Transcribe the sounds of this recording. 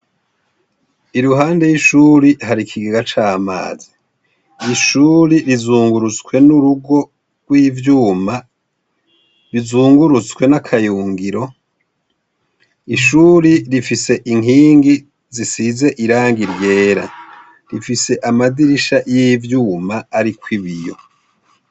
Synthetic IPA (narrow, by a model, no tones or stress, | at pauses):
iɾuɦaːnde̞jiʃuɾiɦaɾikʰiɡiɡat͡ʃaːma̰ːzi | iʃuːɾiɾizuːŋɡuɾut͡skwe̞nuɾuɡo̞ | ɡ̥wiːvjuːma | ɾizuːŋɡuɾut͡skwe̞nakʰajuːŋɡiɾo̞ | iʃuːɾiɾifise̞ʔiŋiːŋɡi | zisize̞ʔiɾaːŋɡiɾje̞ːɾa̰ | ɾifise̞ʔamadiɾiʃajivjuːmaːɾikwiβijo̞̰